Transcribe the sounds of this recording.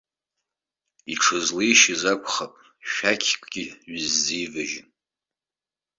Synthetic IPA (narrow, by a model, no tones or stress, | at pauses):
iʈ͡ʂʰɨzlijʃɪzakʷʰʼχapʼ | ʃᶣakʲʰkʷʰʼɡ̥ʲiɥɪzːijvɨʒɪn